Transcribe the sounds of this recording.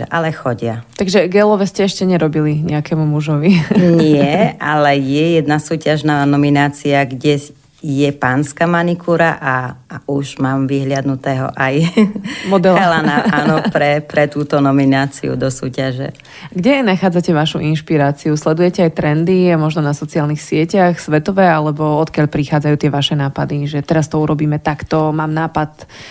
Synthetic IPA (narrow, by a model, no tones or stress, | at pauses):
ɛ̰ʔalɛxɔɟɪat̪aɡʒɛɡɛːlɔʋɛscɛɛʃcɛɲɛɾɔbiliɲɛakɛːmumuʒɔʋiɲɪɛalɛjɛjɛd̪nasuːcaʒnaːnɔminaːt͡siaɡɟɛ | jɛpaːnskamanikʰuɾaʔauʒmaːmʋiɦlɪad̪nut̪ɛːɦɔ̰ʔajmɔd̪ɛlɛlanaaːnɔpɾɛpɾɛt̪uːt̪ɔnɔminaːt͡sḭṵd̪ɔsuːcaʒɛ̰ | ɡɟɛnaxaːd͡zacɛʋaʃuʔinʃpiɾaːt͡siuslɛd̪ujɛcɛajt̪ɾɛnd̪imɔʒnɔnasɔt͡siaːlnixsɪɛcaxsʋɛt̪ɔʋɛːalɛbɔɔt̪kɪaʎpɾixaːd͡zajuːt̪ɪɛʋaʃɛnaːpad̪iʒɛt̪ɛɾast̪ɔuɾɔbiːmɛt̪akt̪ɔmaːmnaːpat̪